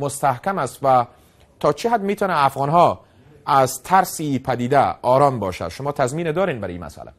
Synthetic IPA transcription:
most̪æhkæmæst̪væ | t̪ʰɒːt͡ʃʰiɦad̪miːt̪ʰɒːnæːfɣɒːnɦɒː | æzt̪ʰæɾsipʰæd̪iːd̪æɒːɾɒːmbɒ̰ːʃæ̰ʃomɒːt̪ʰæzmiːned̪ɒːɾiːnbæɾḭːmæ̰sʔæ̰læ̰

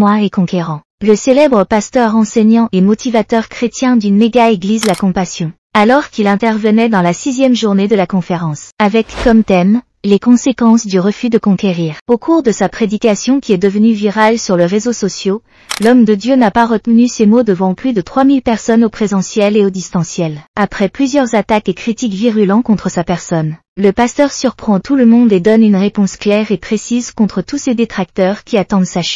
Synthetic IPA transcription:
mwaekɔ̃keʁɑ̃ | ləselɛbʁəpast̪œʁɑ̃sɛɲɑ̃ʔemɔt̪ivat̪œʁkχet̪jɛ̃d̪ynmeɡaeɡlizlakɔ̃pasjɔ̃ | alɔʁkilɛ̃t̪ɛʁvənɛd̪ɑ̃lasizjɛmʒuʁned̪əlakɔ̃feʁɑ̃savɛkːɔmt̪ɛm | lekɔ̃sekɑ̃sd̪yʁəfyd̪əkɔ̃keʁiːʁokʰuʁd̪əsapχed̪ikʲasjɔ̃kʲiɛd̪əvənyviʁalsyʁləʁezosɔsjo | lɔmd̪əd̪jønapaʁət̪nysemod̪əvɑ̃plyd̪ət̪χwamilpɛʁsɔnopχezɑ̃sjɛleod̪ist̪ɑ̃sjɛlapχɛplyzjœʁzat̪akekχit̪ikviʁylɑ̃kɔ̃t̪χəsapɛʁsɔn | ləpast̪œʁsyʁpχɑ̃t̪uləmɔ̃d̪ed̪ɔnynʁepɔ̃sklɛʁepχesizkɔ̃t̪χət̪used̪et̪χak̚t̪œʁkʲiat̪ɑ̃d̪saʃ

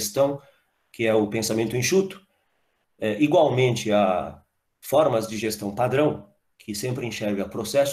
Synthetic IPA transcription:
st̪ɐ̃w̃ | kʰɪɛʊpẽsamẽnt̪ʊẽʃut̪ʊ̥ | ɛʔiɡwawmẽnt͡ʃɪɐ | fɔɾmɐzd͡ʒɪʒest̪ɐ̃w̃pad̪ɾɐ̃w̃ | kʰɪsẽmpɾɪẽʃɛɾvɪɐpɾosɛs

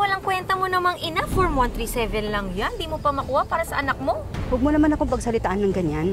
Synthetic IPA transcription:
wɐlaŋkwɛnt̪ɐmonɐmaŋʔɪnafoɹmɐnt̪ɾisɛvɛnlɐŋjand̪iːmopɐmɐkuːhɐpaːɾɐsɐʔɐnɐk̚mo̞wɐɡ̚monɐmanɐkoŋpɐɡ̚sɐlɪt̪aʔanːɐŋɡɐɲan

